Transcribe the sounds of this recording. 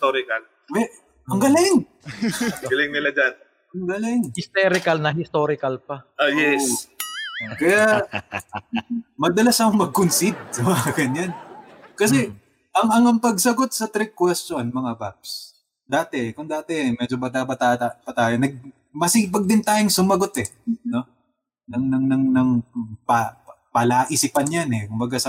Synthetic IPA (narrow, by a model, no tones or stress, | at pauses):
st̪oɾɪkɐl | wɛʔ | ɐŋɡɐlɪŋ | ɡɐlɪŋnɪlad͡ʒan | ʔɐŋɡɐlɪŋhɪst̪ɛɾɪkɐlnɐɦɪst̪oːɾɪkɐlpɐʔojɛs | kɐja | mɐd̪ɐlasɐkoŋmɐɡ̚kʊnsid̪̚sɐmɐɐɡɐɲankɐs̬ɛ | ʔɐŋʔɐŋɐŋpɐɡsɐɡo̞t̪̚sɐt̪ɾɛkːwɛstonmɐŋabap̚s | d̪aːt̪ɛʔkʊŋd̪aːt̪ɛʔmɛd͡ʒobɐt̪aːbɐt̪aapɐt̪aːjonɐɡ̚ | mɐsiːp̬ɐɡ̚d̪ɪnt̪aːjoŋsʊmɐɡo̞t̪ɛno̞ | nɐŋnɐŋnɐŋnɐŋpɐ | pɐlaːʔɪsipɐnjanɛkʊmbɐɡasɐ